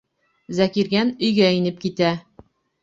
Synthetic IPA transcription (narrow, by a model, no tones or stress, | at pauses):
zækiɾɡænɵ̆jɡæinɘp̚kit̪æ